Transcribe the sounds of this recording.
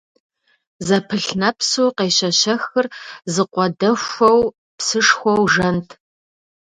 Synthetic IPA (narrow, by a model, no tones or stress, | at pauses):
zɐpʰɨɬnɐpsuːqeːɕɐɕɐxɨrzɨqʷɔdɐxʷɐw | psɨʂxʷɔwʒɐntʰ